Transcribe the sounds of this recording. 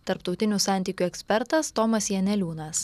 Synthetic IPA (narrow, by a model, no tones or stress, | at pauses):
t̪ɐɾpt̪ɒʊt̪ʲɪnʲusɑˑnʲt̪ʲiːkʲuɛksʲpʲɛɾt̪ɐst̪ɔmɐsjɛnʲɛlʲuːnɐs